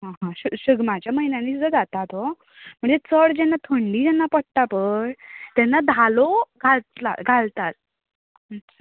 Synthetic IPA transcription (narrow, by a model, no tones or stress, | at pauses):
ɦãɦãɕəɕəɡmad͡ʑjaməɦinjãniːsd͡zəd͡zat̪at̪o | m̤əɳd͡zet͡səɽd͡ʑɛnːat̪ʰoɳɖiːd͡ʑɛnːapəʈʈapəɳt̪ɛnːad̪ʱaloɡʱalt̪la̰ɡʱalt̪at̪ | at͡ɕʰa